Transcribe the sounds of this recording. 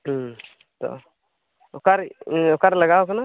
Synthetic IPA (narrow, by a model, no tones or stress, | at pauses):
t̪ɔ̰ | okaɾokaɾləɡaokəna